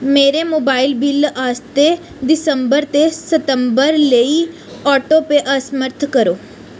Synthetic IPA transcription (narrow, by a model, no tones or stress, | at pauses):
meːɾemoːbaːɪlbɪlːaːst̪e | d̪ɪsə̃mbəɾt̪esət̪ə̃mbəɾleːi | ɔːʈopeʔɐsməɾt̪ʰkəɾoː